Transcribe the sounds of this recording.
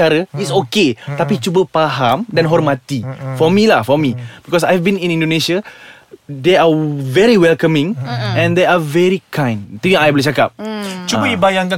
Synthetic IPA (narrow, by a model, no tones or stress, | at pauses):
aɾəitsoket̪apit͡ʃubəpaɦãmdãnɦɔrmat̪ifɔmilahfɔmib̥ikɔs̬ajɛvbĩnĩnĩndonesa | deavɛɾiwɛlkamĩŋɛ̃ndeavɛɹikʰãj̃nt̪uãajbolit͡ʃakap̚t͡ʃubədibajãŋkã